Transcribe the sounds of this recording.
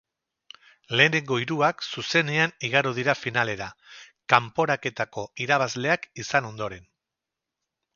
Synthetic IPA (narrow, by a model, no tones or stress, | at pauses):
le̞ːneŋɡo̞iɾuaksuse̞ne̞aniɣ̞aɾuð̞iɾafinale̞ɾa | kampo̞ɾake̞t̪ako̞iɾaβ̞azle̞akisano̞nd̪o̞ɾe̞n